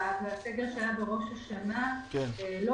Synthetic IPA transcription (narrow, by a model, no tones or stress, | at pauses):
avaseɡe̞ʁʃeajabeʁo̞ʃaʃanakɛnelo